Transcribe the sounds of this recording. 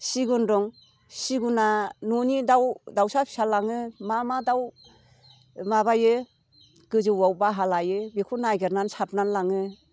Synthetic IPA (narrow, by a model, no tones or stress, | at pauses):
siɡundɔŋ | siɡunanɔnidawdawsapʰi̥salaŋɯmamadaw | maβajɯ | ɡ̥ɯzɯwawbaɦalajɯbikʰunajɡɯɾnansap̚nanlaŋɯ